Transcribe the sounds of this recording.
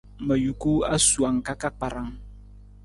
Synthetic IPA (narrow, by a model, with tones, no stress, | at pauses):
mə˨ju˨ku˦a˦su˨a˨ŋka˦ka˦k͡pa˨ɾa˦ŋ